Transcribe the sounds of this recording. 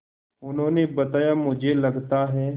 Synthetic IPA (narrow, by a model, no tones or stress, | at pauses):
ʊnɦõːnebɐt̪aːjamʊd͡ʒʱelɐɡt̪aɦɛː